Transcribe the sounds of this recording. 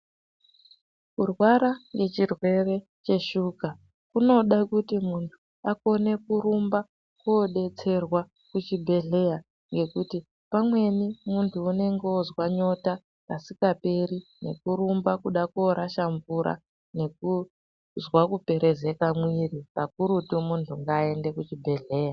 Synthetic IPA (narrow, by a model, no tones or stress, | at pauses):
kurwaɾaŋɡe̞t͡ʃirwe̞re̞ | t͡ʃe̞ʃuka | kuno̞ɗakutimuntʰu | ako̞ne̞kuɾumba | koːɗe̞t͡se̞rwa | kut͡ʃibʱe̞ɮe̞ja | ŋɡe̞kuti | pamwe̞nimuntʰuːne̞ŋɡeozwaɲo̞ta | kasikape̞ɾine̞̰kuɾumbakuɗakoɾaʃaɱvuɾa̰ | ne̞ku | zwakupe̞ɾe̞ze̞kamwirikak̚uɾutumuntʰuŋɡaːe̞nde̞kut͡ʃibʱe̞ɮe̞ːja